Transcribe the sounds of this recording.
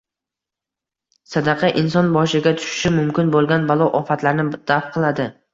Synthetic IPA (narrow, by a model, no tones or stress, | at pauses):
sad̪ɑqʰɑʔɪnsɒnbɒʃɪɡʲat̪ʰʊ̥ʃɪ̥ʃɪmʊmkʲɪnbolˠɡʲanbalˠɒʔɒfat̪laɾnɪd̪̥afqʰɨlˠad̪ɪ